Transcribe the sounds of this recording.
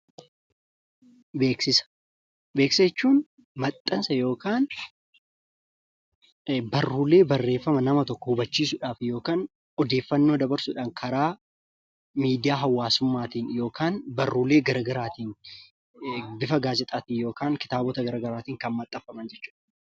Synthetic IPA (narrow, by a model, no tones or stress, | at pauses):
beːksɪsɐ̥ | be̞ːksɐɛt͡ʃːuːn | mɐt̪ʼːɐnsɐjo̞ːkaːn | bɐrːuːle̞ːbɐrːe̞ːfːɐmɐnɐmɐt̪ɔkːɔhʊbɐt͡ʃːiːsʊᶑaːfjo̞ːkaːn | ɔd̪e̞ːfːɐnːo̞ːd̪ɐbɐɾsʊᶑaːŋkʰɐɾaː | miːd̪ɪjaːɦɐwːaːsʊmːaːt̪iːnjo̞ːkʰaːnbɐrːuːleːɡɐɾɐɡɐɾaːt̪iːn | bɪfɐɡaːzɛt̪ʼaːt̪iːjo̞ːkaːŋkɪ̥t̪aːbɔt̪ɐɡɐɾɐɡɐɾaːt̪iːŋkɐnmɐt̪ʼːɐfːɐmɐnd͡ʒɛt͡ʃːu̥ːᶑɐ̥